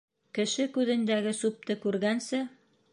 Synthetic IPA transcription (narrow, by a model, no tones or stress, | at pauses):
kɘ̆ʃɘkʉðɘ̆nd̪æɡɘsup̚t̪ɤkʉɾɡænsɘ